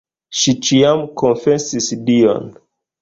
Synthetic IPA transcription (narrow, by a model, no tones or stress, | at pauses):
ʃit͡ʃiamkonfesisdio̰n